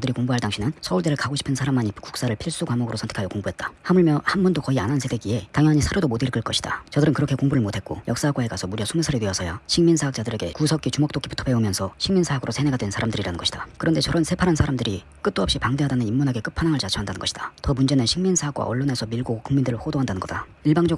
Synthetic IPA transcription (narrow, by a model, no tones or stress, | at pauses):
dɯɾikoŋbuɦaɭdaŋɕʰinɯnsʰʌuɭdeɾɯɭkaɡoɕʰi̥pʰɯnsʰaɾamːanipʰku̥k̚s͈aɾɯɭpʰiɭs͈ukwamoɡɯɾosʰʌntʰekʰajokoŋbuɦe̞t̚t͈ḁhamɯɭmjʌhanbʌndokʌianɦansʰed̥eɡie̞taŋjʌŋaɲisʰaɾjodomodɯiɭk͈ɯɭk͈ʌɕʰi̥d̥a̰t͡ɕʌdɯɾɯnkɯɾʌkʰekoŋbuɾɯɭmotʰe̞t̚k͈o̰jʌk̚s͈aaɡwaeɡasʰʌmuɾijʌsʰumusʰaɾitweʌsʰʌjaɕʰiŋminsʰaɦak̚t͡ɕ͈adɯɾe̞ɡe̞̰kusʰʌk͈it͡ɕumok̚t͈okʰibutʰʌpe̞umjʌnsʰʌɕʰiŋminsʰaɦaɡɯɾosʰene̞ɡadwe̞nsʰaɾamdɯɾiɾanɯnŋɡʌɕʰid̥akɯɾʌnde̞t͡ɕʌɾʌnsʰe̞pʰaɾɦansʰaɾamdɯɾi | k͈ɯt͈oʌpɕ͈ipaŋde̞ɦadanɯnimːunɦaɡe̞k͈ɯpʰanaŋaɭt͡ɕat͡ɕʰʌandanɯnɡʌɕʰid̥atʌmund͡ʑe̞nɯnɕʰiŋminsʰaak͈wa̰ʌɭːone̞sʰʌmiɭɡokuŋmindɯɾɯɭhodoɦandanɯnŋɡʌd̥a | iɭbaŋd͡ʑʌɡ